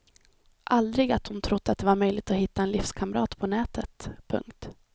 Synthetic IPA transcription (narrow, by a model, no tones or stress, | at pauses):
ʔald̪ɾɪɡat̪hʊnt̪ʰɾʊd̪ːat̪̚d̪ɛvaɾmœjlɪɡ̚t̪ɔhɪtt̪ːaɛnlɪfskʰamɾɑ̰ːt̪pʰɔnɛːt̪ʰət̪pʰɵ̰ŋkt̪